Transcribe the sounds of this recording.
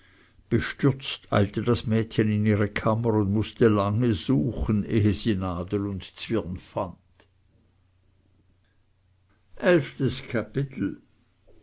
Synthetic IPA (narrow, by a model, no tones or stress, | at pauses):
b̥əʃtʏʁt͡stʰa̰ɪltədasmɛːtçənɪniːʁəkʰaməʁʊndmʊstəlaŋəzuːxən̩ʔeːɦəziːnaːdəlʊndt͡sv̥ɪʁnfand̥ | ʔɛlftəskʰapɪt̪ʰl̩